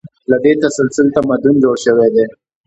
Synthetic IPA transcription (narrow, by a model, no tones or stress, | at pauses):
lad̪et̪asalsɪlt̪amad̪und͡ʒoɽʃəwed̪e